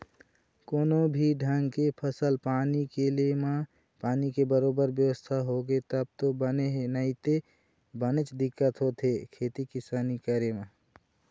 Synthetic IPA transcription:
koːnobʱiɖʱəŋɡkepʰəsəlpaːnikelemã | paːnikebəɾoːbəɾbjəwəst̪ʰaɦoɡet̪əb̚t̪obəneɦenəit̪e | bənet͡ʃd̪ɪkːət̪ɦot̪ʰekʰet̪ikɪsaːnikəɾemã

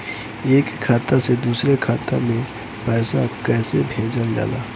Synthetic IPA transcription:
eːkʰːaːt̪ased̪uːsɾekʰaːt̪amẽ | pɛːsakɛːsebʱeːd͡ʒəld͡ʒa̰ːla̰ː

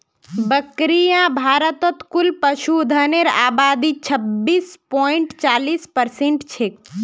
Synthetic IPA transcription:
bəkɾijãbʱaːɾət̪ət̪kulpəʃud̪ʱəneɾa̰ːbad̪it͡ʃʰəbːiːspɔiɳʈt͡ʃaːlispəɾseɳʈt͡ʃʰek

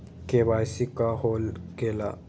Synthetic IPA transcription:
kebaːjsikaɦoːlɡeːla̰

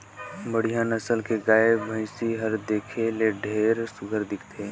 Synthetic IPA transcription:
bəɽ̤ijãnɐsəlkeɡaːebʱə̃ɪsiɦəɾd̪eːkʰeleɖʱeːɾsʊɡʱəɾd̪ɪkʰt̪ʰeː

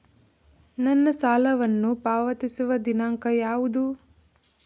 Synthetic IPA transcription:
nɐnːɐsaːlɐʋɐnːupaːʋɐt̪isuʋɐd̪inaːŋkɐjaːʋud̪u

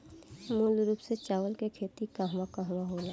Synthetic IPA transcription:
muːlɾuːpset͡ʃaːʋəlkekʰeːt̪ikaɦʋakaɦʋaɦoːlaː

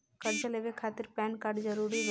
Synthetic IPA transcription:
kəɾd͡ʒaleːʋekʰaːt̪ɪɾpɛːnkaːɾɖd͡ʒəɾuːɾib

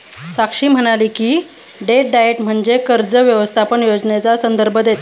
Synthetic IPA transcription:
sakʂiːm̤əɽ̃aliːkiː | ɖeʈ̚ɖajeʈm̤əɳd͡zekəɾd͡zəʋjəʋəst̪ʰapəɳjod͡znet͡sasənd̪əɾbʱəd̪et̪a

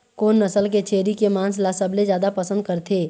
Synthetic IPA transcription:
koːnːɐsəlk̬et͡ʃʰeːɾikemãːnslasəblezjaːd̪apɐsə̃nd̪̚kɐɾt̪ʰeː

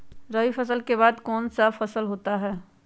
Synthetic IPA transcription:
ɾɐɦifɐsəlkebaːd̪kɔːnsafɐsəlɦoːt̪aɦɛː

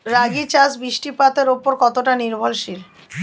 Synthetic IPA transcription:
ɾaɡit͡ɕasbiʃʈipat̪eɾopoɾkɔt̪oʈaniɾbʱolʃil

